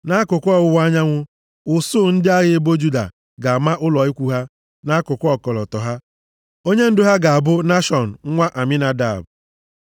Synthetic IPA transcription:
na˦kʊ˨kʷʊ˦ɔ˦˨ʊ˦wa˦ɲa˦ŋʷʊ˦ | ʊ˨sʊː˦˨n̩˦dɪ˦a˦ɣɪ˦e˦bo˦d͡ʒu˦da̰˨ | ɡa˨a˨ma˦ʔʊ˦lɔ˨i˦kʷu˨ɦa˦ | na˦kʊ˨kʷɔ˦kɔ˨lɔ̰˨tɔ˨ɦa˦ | o˦ɲe˦n̩˦dʊ˦ɦa˦ɡa˨a˨bʊ˦na˦ʃɔ˨n̩˨ŋ̩˦ŋʷa˦ʔa˨mɪ˦na˨da̰˨b

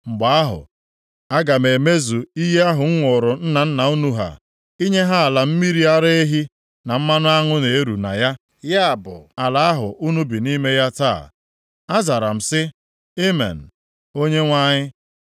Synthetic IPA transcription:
ŋ͡m̩˨ɡ͡ba˨a˦ɦʊ̰˨ | a˦ɡa˨m̩e˨me˦zu˨i˦ɦe˦a˦ɦʊ˨ŋ̩˦ŋʷʊ˨ɾʊ˨n̩˦na˨n̩˦na˨u˦nu˦ɦa̰˨ | i˦ɲe˦ɦa˦˨la˨m̩˦mi˦ɾi˦a˦ɾe˦e˦ɦi˦ | na˨m̩˦ma˦nʊ˦a˦ŋʊ˦ne˨e˦ɾṵ˨na˨ja˦ | ja˦a˨bʊ̰˨a˨la˨a˦ɦʊ˨ʔu˦nu˦bi˨ni˦me˦ja˦ta̰ː˦˨ | a˦za˨ɾa˨m̩˨sɪ˦ | e˦mḛ˨n̩˨ | o˦ɲe˦ŋʷa˦ɲɪ˦

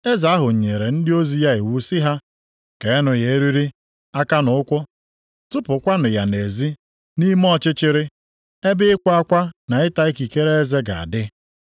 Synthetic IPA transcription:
e˦za˨a˦ɦʊ˨ɲ̩˨ɲe˨ɾe˨n̩˦dɪ˦o˦zi˨ja˦ɪ˨wu˨˦si˦ɦa˦ | ke˨˦nʊ˨je˨e˦ɾi˦ɾi˦ | a˦ka˦nʊ˨˦ʊ˦kʷʊ˦ | tʊ˦pʊ˨kʷa˦nʊ˨ja˨ne˨zi˦ | ni˦m˦ɔ˦t͡ʃɪ˦t͡ʃɪ˦ɾɪ˦ | e˦bɪ˦ɪ˦kʷa˦a˦kʷa˦na˨ɪ˦ta˦i˦ki˨ke˦ɾe˦e˦ze˦ɡa̰˨a̰˨dɪ˦

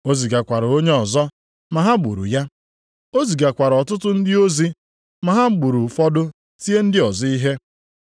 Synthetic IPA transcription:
o˦zi˨ɡa˨kʷa˨ɾo˦ɲe˦ɔ˨zɔ˦ | ma˨ɦa˦ɡ͡bṵ˨ɾṵ˨ja˦ | o˦zi˨ɡa˨kʷa˨ɾɔ˨tʊ˦tʊ˦n̩˦dɪ˦o˦zi˦ | ma˨ɦa˦ɡ͡bu˨ɾu˨fɔ˦dʊ˦ | ti˦e˦n̩˦dɪ˦ɔ˨zi˦i˦ɦe˦

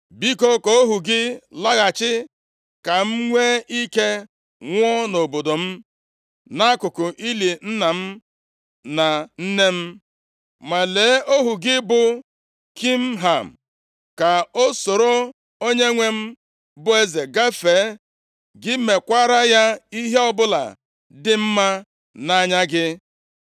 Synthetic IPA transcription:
bi˦ko˦ko˦o˦ɦu˨ɡɪ˦la˦ɣa˨t͡ʃɪ˦ | ka˨m̩˦ŋʷe˦ʔi˦ke˦ | ŋʷɔ˦no˨bo˨do˨m̩˦ | na˦kʊ˨kʊ˨ʔi˦li˨n̩˦na˨m̩˦ | na˨n̩˦ne˦m̩˦ | ma˨leː˨˦ʔo˦ɦu˨ɡɪ˦bʊ˨ | ki˦m̩˦ɦa˨m̩˨ | ka˨o˦so˨ɾo˦ | o˦ɲe˦ŋʷe˦m̩˦ | bʊ˦e˦ze˨ɡa˦feː˨˦ | ɡɪ˦me˨kʷa˦ɾa˦ja˦i˦ɦe˦ɔ˦bʊ˦la̰˨ | dɪ˦m̩˦ma˦ | na˦ɲa˦ɡɪ˦

